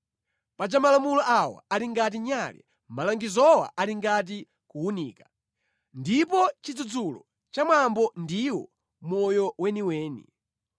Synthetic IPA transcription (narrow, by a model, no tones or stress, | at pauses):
pad͡ʒamalamulɔʔawa̰aɾiŋɡat̬iɲalɛ̰ | malaŋɡizɔwa̰ʔaɾiŋɡat̬i | kuunḭːkḁ | ndipɔt͡ʃid͡zud͡zulɔ̰ | t͡ʃamwambɔndiwɔ | mɔjɔwɛniwɛːnḭ